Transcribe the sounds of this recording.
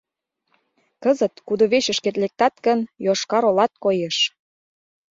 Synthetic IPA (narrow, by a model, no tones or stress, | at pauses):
kəzət̪kud̪oβeɕə̆ʃket̪lek̚t̪ɑt̪kə̆njoʃkɑɾolɑt̪̚kojeʃ